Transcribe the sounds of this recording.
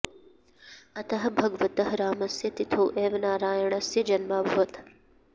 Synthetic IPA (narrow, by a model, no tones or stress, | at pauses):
ɐt̪ɐɦɐbʱɐɡʋɐt̪ɐɦɐɾaːmɐsjɐt̪it̪ʰowʔeːʋɐnaːɾaːjɐɳɐsjɐd͡ʒɐnmaːbʱɐʋɐt̪